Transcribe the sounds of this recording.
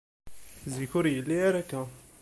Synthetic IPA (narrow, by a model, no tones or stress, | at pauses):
ziçuɾjəlːiæɾækːæ